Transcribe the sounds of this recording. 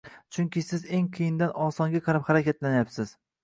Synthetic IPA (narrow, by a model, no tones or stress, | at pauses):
t͡ʃʰʊŋkʲɪsɪze̞ŋqʰɨjɪnd̪anɒsɒŋɡʲaqʰɑɾaphaɾakʲat̪lanajapsɪz̥